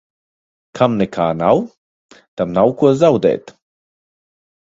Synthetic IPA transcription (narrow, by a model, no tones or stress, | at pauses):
kʰamnɛkʰaːnaw | t̪amnawkuɔzawd̪ɛ̰ːt̪